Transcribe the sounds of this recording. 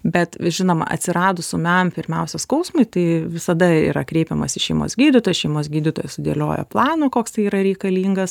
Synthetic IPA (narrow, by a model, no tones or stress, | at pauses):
bʲɛt̪ʒʲɪnoːmɐ̰ʔɐ̰t̪ʲsʲɪɾɑːd̪ʊsʊmʲɛmpʲɪɾʲmʲɛʊsʲɛskɐʊsmʊɪt̪ɐɪʋʲɪsɐd̪ɐḭːɾɐkɾʲɛɪpʲɛmɐsɪʃʲɛɪmo̰ːsɡʲiːd̪ʲɪt̪oːjɛʃʲɛɪmoːs̬ɡʲiːd̪ʲɪt̪oːjɛsʊd̪ʲḛlʲo̰ːjo̰plˠɑːnoːkoːkst̪ɐɪiːɾɐɾʲɛɪkɐlʲiːŋɡɐs